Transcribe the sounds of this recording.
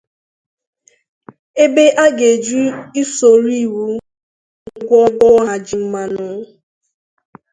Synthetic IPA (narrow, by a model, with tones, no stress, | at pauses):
e˦be˦ʔa˦ɡe˨d͡ʒu˦i˦so˨ɾi˦˨wu˦ | ŋ̩˦ɡʷɔ˦ɡ͡bɔ˦ɦa˨d͡ʒi˨m̩˦ma˨nʊ˨˦